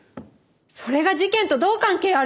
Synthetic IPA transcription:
so̞ɾe̞ɡaʑikẽ̞nt̪o̞d̪o̞ːkãŋke̞ːa

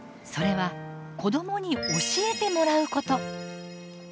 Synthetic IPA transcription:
so̞ɾe̞βa | ko̞d̪o̞mo̞ɲ̟io̞ɕie̞t̪e̞mo̞ɾaɯ̟ko̞t̪o̞

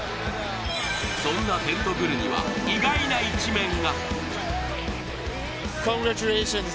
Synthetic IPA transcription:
soŋnat̪ent̪ʰodɯɾɯɲiwa̰iɡainait͡ɕʰimeŋɡa | kʰɔ̃ŋɡɾat͡ʃuleɕɔ̃n

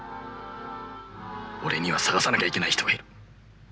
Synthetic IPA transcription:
o̞ɾe̞ɲ̟iβasaɡasanakʲaikʲe̞naiçit̪oɡaiɾɯ̟

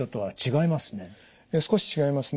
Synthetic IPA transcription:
ot̪ːoβat͡ɕiɡaimasɨ̥ne̞ | esɨ̥ko̞ɕi̥t͡ɕiɡaimasɨn

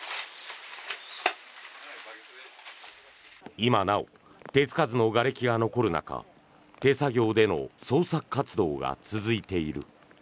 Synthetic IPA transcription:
imanao̰ | t̪e̞t͡sɨ̥kazɨno̞ɡaɾe̞kʲiɡano̞ko̞ɾɯ̟na̰ka̰ | t̪e̞saɡʲo̞ːd̪e̞no̞̰so̞ːsakɯ̥kːat͡sɨd̪o̞ːɡa̰t͡sɨzɨit̪e̞iɾɯ̟̰

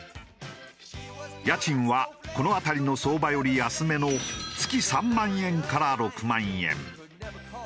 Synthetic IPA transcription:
jat͡ɕĩɰ̃βako̞no̞at̪aɾʲino̞so̞ːbajo̞ɾʲiasɨme̞not͡sɨ̥kʲisãmːãɰ̃ẽ̞ŋkaɾaɾo̞kɯ̟mãɰ̃ẽ̞̰ŋ

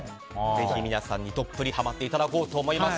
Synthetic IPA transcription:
ze̞çimʲinasãɲ̟ːit̪o̞pːɯɾʲihamat̪ːe̞it̪ad̪ako̞ːt̪o̞ːmo̞imas

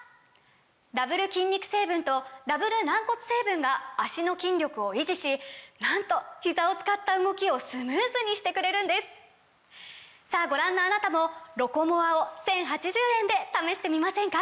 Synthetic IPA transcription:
d̪abɯ̟ɾɯ̟kʲĩɲ̟ʲːikɯ̟̥se̞ːbɯ̟̃nt̪o̞d̪abɯ̟ɾɯ̟nãŋko̞t͡sɨ̥se̞ːbɯ̟̃ŋɡaːɕino̞kʲĩɲɾʲo̞kɯ̟o̞iʑiɕinãnt̪o̞çizao̞t͡sɨ̥kat̪ːaɯ̟ɡo̞kʲio̞sɨmɯːzɨɲ̟iɕi̥t̪e̞kɯ̟ɾe̞ɾɯ̟̃nd̪e̞sɨ̥ | saːɡo̞ɾãnːoanat̪amo̞ɾo̞ko̞mo̞βaosẽ̞ɰ̃ɦat͡ɕiʑɨːẽ̞nd̪e̞t̪ame̞ɕi̥t̪e̞mʲimasẽ̞ŋka

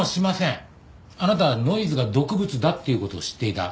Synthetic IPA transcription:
ɕimasẽ̞ | anat̪aβano̞izɨɡad̪o̞kɯ̟bɯ̟t͡sɨd̪at̪ːe̞iɯ̟ko̞t̪o̞̰ːɕi̥t̪ːe̞it̪a̰

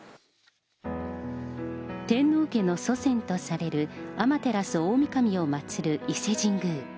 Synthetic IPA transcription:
t̪ẽ̞nːoɯke̞no̞so̞sẽ̞nt̪o̞saɾe̞ɾɯ̟amat̪e̞ɾasɨoːmʲikamʲio̞mat͡sɨɾɯ̟ise̞ʑĩŋɡɯː

